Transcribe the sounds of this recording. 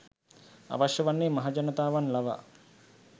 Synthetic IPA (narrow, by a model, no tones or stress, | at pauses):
a̰ʋaʃjəʋanːeːmaɦad͡ʒanət̪aːʋanlaʋa̰